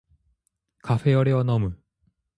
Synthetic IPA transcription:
kaɸeʌɾeʌnʌmu

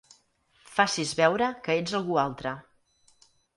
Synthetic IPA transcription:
fasizβɛwɾəkəed͡zəlˠɣualˠt̪ɾə

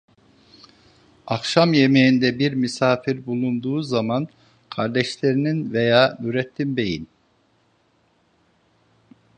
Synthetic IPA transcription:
akʃamje̞mejind̪ɛbiɾmysaːfiɾbulˠund̪uːzaman | kʰaɾd̪ɛʃlʲe̞ɾininvejaːnyɾɛt̪ʰːimbe̞jḭn

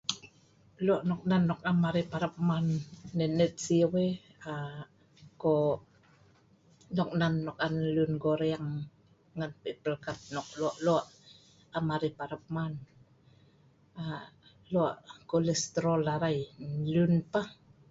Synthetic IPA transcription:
luaʔnɔk̚nanːɔk̚amaɾipaɾap̚manːɛnɛt̪̚siəwe | a | ko | nɔk̚nanːɔkanlunɡoɾeaŋ | ŋanpepəlkat̪̚nɔk̚luaʔluaʔ | amaɾipaɾap̚man | a | lua̰ʔkolɛst̪ɾolaɾajlunpa

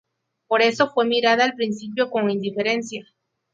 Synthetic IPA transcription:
po̞ɾe̞so̞fwe̞miɾaðaːlpɾinsip̬jo̞ko̞ŋind̪ife̞ɾe̞nsja

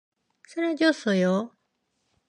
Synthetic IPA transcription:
soɾed͡ʑosojo

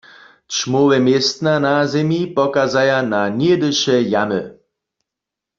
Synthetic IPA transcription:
t͡ʃmowɛmjɛst̪nanazɛmjipɔkazajananjed̪əʃɛjamə

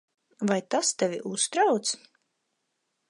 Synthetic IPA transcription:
vajt̪ast̪ɛvʲḭʔust̪ɾawt̪s

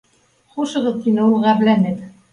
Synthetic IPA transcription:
χuʃɤ̆ʁɤðt̪inɘulˠʁæβlænɘk̪

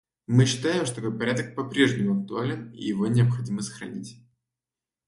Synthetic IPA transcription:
mɨɕːɪt̪ajɪmʂt̪oɐkojʲpɐɾʲad̪ək̚pɐpɾʲe̞ʐnʲɪmʊɐk̚t̪ʊalʲɪnḭjɪvo̞nʲɪɐpxɐdʲiməsə̥xɾɐ̰nʲitʲ

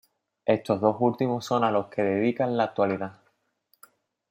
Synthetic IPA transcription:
e̞st̪o̞ɦðo̞sult̪imoso̞nalo̞hke̞ðe̞ðikanlaːk̚t̪waliða

